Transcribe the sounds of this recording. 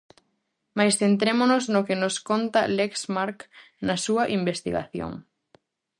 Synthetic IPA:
majsθent̪̬ɾemonoznokenʊskont̪ɐleksmaɾk | nɐsuɐʔimbest̪ḭɣa̰θjo̰ŋ

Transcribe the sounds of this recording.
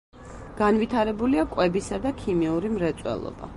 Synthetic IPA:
ɡ̥anvit̪ʰaɾɛbuliakʼwɛbisad̪akʰimiuɾimɾɛt̪sʼwɛ̰lˠɔ̰ba̰

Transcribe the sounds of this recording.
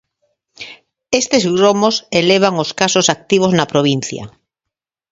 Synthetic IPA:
est̪ezɣɾomoseleβ̞aŋoskasosak̚t̪iβ̞oznapɾoβ̞in̟θja̰

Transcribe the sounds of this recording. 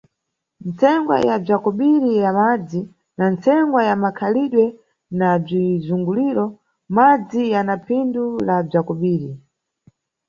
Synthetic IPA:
nt͡sɛŋɡwa̰jab͡ʐakɔɓiɾijamad͡zi | nant͡sɛŋɡwajamakʰaliɗwɛ | nab͡ʐizuŋɡuliɾɔ | mad͡zijanapʰindulab͡ʐakɔɓiːɾi

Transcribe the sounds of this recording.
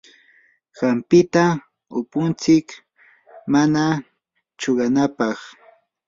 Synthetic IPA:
ɢ̥ɑmpɪt̪a | ʊpʊnt͡sɪk | mana | t͡ʃoɢɑnapɑχ

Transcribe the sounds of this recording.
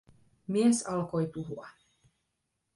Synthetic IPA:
miɛsɑlkojt̪uɦuɑ

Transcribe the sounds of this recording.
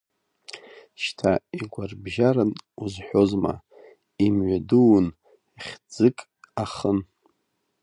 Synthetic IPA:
ʃtʰaiɡʷarbʒaɾɨnuzħʷᶣozma̰ | imɥʷaduwn | iχʲd͡zɨkʼ | aχən

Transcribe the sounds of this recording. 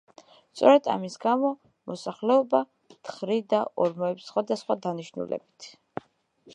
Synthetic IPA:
st̪sʼɔɾɛd̪a̰misɡamɔ | mɔsaχlɛɔba | t̪χɾid̪aʔɔɾmɔɛpsχwad̪asχwad̪aniʃnṵlɛ̰b̥it̪ʰ

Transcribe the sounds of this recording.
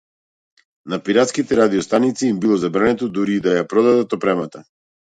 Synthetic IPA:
napiɾat̪skit̪ɛɾad̪iɔst̪anit̪siːmbilˠɔzabɾanɛt̪ɔd̪uɾiːd̪ajapɾɔd̪ad̪at̪ɔpɾɛmat̪a

